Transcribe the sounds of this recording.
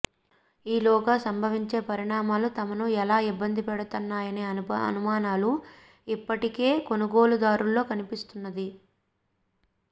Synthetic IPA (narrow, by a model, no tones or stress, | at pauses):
iːlɔːɡɐsɐmbʱɐʋiɲt͡ʃe̞ːpɐɾiɳaːmaːlut̪ɐmɐnuɛlaːibːɐnd̪ʱipɛɽut̪unːaːjɐneːɐɐ̰numaːnaːlu | ipːɐʈike̞ːko̞nuɡo̞ːlud̪aːɾulːo̞ːkɐnipist̪unːɐd̪i